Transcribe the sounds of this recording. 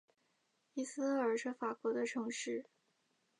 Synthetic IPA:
i˥˩sɹ̩˥ə˞˨˩ʂɻ̩˥˩fa˨˩kwɔ˧˥d̪ə˧ʈ͡ʂʰɤ˧˥ŋʂɻ̩˥˩

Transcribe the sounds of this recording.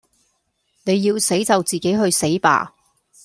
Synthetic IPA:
ne˨˧jːiː˧wse˨˥jt͡sɐ˨wt͡siː˨ke˨˥jɦɵ˧ɥse˨˥jpa̰ː˧

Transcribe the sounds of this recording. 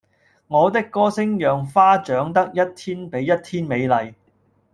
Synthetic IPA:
ŋɔː˨˧t̪ɪ˥kːɔː˥sɪ˥ŋjœː˨ŋfaː˥t͡ʃœː˨˥ŋt̪ɐ˥k̚jɐ˥t̚t̪ʰiː˥npe˨˥jːɐ˥t̚t̪ʰiː˥nme˨˧jlɐ˨j

